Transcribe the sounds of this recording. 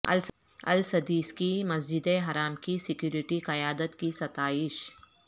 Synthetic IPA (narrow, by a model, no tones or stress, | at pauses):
ɐ̰l | ɐ̰lsɐd̪iːskimɐsd͡ʒɪd̪eɦɐɾaːmkisɪkjuːɾɪʈiqɐjaːd̪ət̪kisɐt̪aːɪʃ